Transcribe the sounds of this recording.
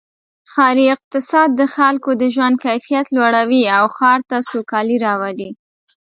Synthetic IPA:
xɑɾiɪq̚t̪ɪsɑd̪̚ːəxalkod̪əʒwand̪̚kajfijat̪lwaɽawiawxɑɾt̪asokɑliɾɑwali

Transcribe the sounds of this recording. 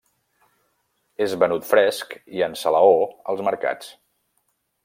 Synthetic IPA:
ezβənut̪fɾɛskiənsələoəlˠzməɾka̰t͡s

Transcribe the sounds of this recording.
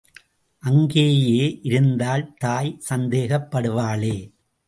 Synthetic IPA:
ʔɐŋɡeːjeːʔɪɾɯnd̪aːlt̪aːjsɐnd̪eːɣɐpːɐɽɯʋaːɭeː

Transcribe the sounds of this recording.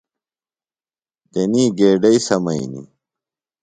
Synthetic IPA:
d̪eniːɡeːɖɐisɐmɐḭnḭ

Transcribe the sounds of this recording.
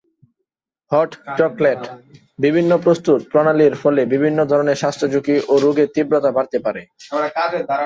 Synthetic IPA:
hɔʈt͡ɕɔkleʈ | bibʱinːopɾost̪ut̪̚pɾɔnaliɾfɔlebibʱinːod̪ʱɔɾoneɾʃast̪ʰɾod͡ʑukiʔoɾuɡet̪ibɾot̪abaɾt̪epaɾe

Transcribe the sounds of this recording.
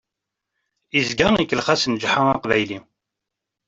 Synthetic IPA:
izɡæŋikːəlχæsənd͡ʒħaɑqvæjli

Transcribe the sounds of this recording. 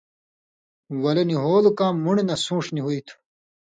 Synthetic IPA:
wɐleniɦoːlukãːmːuɳenɐsũːʂniɦuit̪ʰ

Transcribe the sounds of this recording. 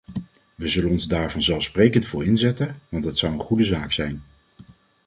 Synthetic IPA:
ʋəzɵlənɔnzdaːɹvɑnzɛlˠfsprejkəntfʊːɹɪnzɛtənʋɑntɦətsʌwənχudəzaːksɛjn

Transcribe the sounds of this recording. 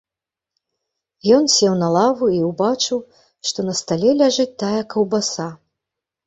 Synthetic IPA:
jɔnsʲɛwnɐlˠavuiwbat͡ʂɨw | ʂt̪ɔnɐst̪alʲɛlʲaʐɨt͡sʲt̪ːajɐkɐwbasa

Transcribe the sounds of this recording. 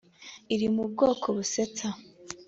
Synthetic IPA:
iɾimub̚ɡo̞ːkʰo̞βuset͡sa

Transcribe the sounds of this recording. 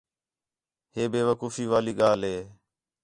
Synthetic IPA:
ɦeːbeːʋəkuːfiːʋaːliːɠaːlɦeː

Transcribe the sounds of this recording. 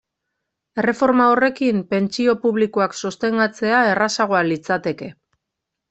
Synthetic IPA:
e̞re̞fo̞ɾmao̞re̞kimpe̞nt͡ʃio̞puβ̞likoaksust̪e̞ŋɡat͡se̞ae̞rasaɣ̞oalit͡sat̪e̞ke̞

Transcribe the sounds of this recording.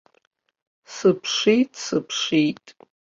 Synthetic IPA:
sɨpʰʂijtʼsɨpʰʂijtʼ

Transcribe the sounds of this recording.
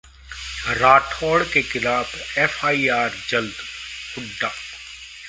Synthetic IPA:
ɾaːʈʰɔːɽkexɪlaːbɛːfaːiaːɾd͡ʒɐld̪kʊɖːaː

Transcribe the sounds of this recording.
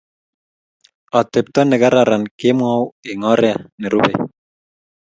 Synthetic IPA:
ɔt̪ep̚t̪ɔnːeɡaɾaɾankemuaweŋɔɾeaneɾubḛ

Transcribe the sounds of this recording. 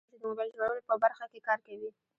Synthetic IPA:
t͡ʃed̪əmobajlzɾaɽəlopəbaɾxakekɑɾkawi

